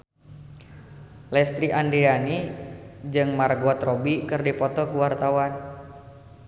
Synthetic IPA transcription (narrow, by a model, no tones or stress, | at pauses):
lɛst̪ɾiʔandiani | d͡ʒɨŋmarɡuat̪robikɨrdipɔt̪ɔkuwart̪awan